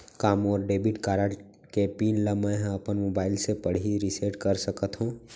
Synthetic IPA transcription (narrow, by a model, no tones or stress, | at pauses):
kaːmɔːɾɖeːbiʈkaːɾaʈ | kepiːnləmɛ̃ɦɐpənmoːbaːɪlsepɐɽ̤iɾiseːʈkəɾsəkət̪ɦũː